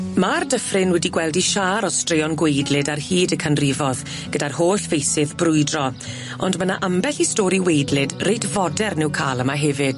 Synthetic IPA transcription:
mardəfrɪnwɛdiɡwɛlˠdiʃaːɾɔstreɔnɡwejdlˠɨdarhiːdəkʰanrɪvɔð | ɡ̥ədarhoːɬvejsɪðbrʊɨdrɔ | ɔ̰ndmənaʔambɛɬistɔːɾiwejdlɪdrejtvɔdɛrnɪwkʰaːlˠəmaɦɛvɨd̥

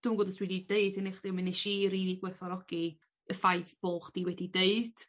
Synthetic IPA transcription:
d̥uːnɡoːdəsriːdideɨdɪneχd̥imineʃiːɾiːdiɡwɛθɔɾɔɡi | əfajθb̥oːχd̥iwɛdideɨd̥

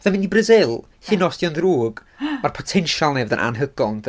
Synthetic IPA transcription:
ðamɪnibrəzɪlˠ | hɪnɔsd̥jɔndruːɡ | marpʰɔtʰɛnʃalˠnɛvəðə̰nʔa̰nɦəɡɔnd

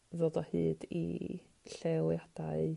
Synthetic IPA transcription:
ðodɔhɨːdḭ | ɬelˠjad̥aɨ

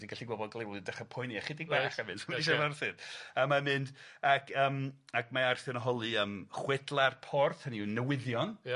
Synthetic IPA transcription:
d̥iɡaɬiɡwɔbɔdɡlˠewɔlˠidaχapʰɔjniaχɪdiɡ̚baχəmɨnsiʃ̬avarθɨdəmamɨnd̥akʰəːmakmaarθɛnəɦɔlˠɨəmχwɛdlˠarpʰɔrθhəninːəwɪðjɔn

